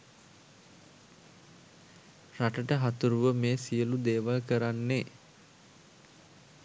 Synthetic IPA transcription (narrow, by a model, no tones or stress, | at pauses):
raʈəʈəɦat̪uɾuʋəmeːsijəlud̪eːʋalkəɾanːe